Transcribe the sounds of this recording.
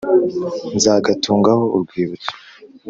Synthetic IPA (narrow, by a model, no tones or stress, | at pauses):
nzaːɡatʰuːŋɡaho̞uɾɡwiːβut͡si̥